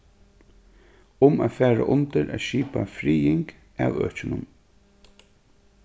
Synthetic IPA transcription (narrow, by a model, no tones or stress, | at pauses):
ʊmaːfæːɹa̰ʔʊnt̪əɾʔɛʃiːpafɾiːɪŋk | aːwœ̰ːt͡ʃɪnʊm